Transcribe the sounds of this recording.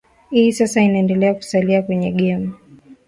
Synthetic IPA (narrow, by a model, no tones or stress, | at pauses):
hiːsasainaɛndɛlɛaku̥saliakwɛɲɛɠɛma